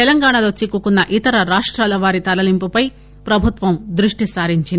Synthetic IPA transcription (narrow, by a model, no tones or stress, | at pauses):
t̪ɛlɐŋɡaːɳɐlo̞ːt͡ʃikːukunːɐʔit̪ɐɾɐɾaːʂʈɾaːlɐʋaːɾit̪ɐlɐlimpupɐj | pɾɐbʱut̪ʋɐmd̪ɾuʂʈisaːɾiɲt͡ʃind̪i